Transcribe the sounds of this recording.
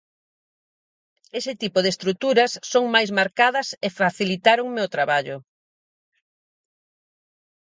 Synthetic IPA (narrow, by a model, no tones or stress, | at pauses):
esɪt̪ipʊðest̪ɾut̪uɾɐsːoŋmajzmaɾkaðɐsefaθilit̪aɾoŋmeot̪ɾaβaʎʊ